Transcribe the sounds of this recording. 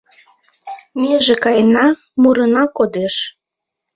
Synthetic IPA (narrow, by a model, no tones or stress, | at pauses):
meʒekɑjnɑ | muɾənɑkod̪eʃ